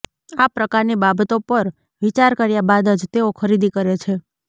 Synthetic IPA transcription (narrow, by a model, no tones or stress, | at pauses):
apɾəkaɾnibabət̪opəɾ | ʋit͡ʃaɾkəɾjabad̪əd͡ʒt̪eokʰəɾid̪ikəɾet͡ʃʰe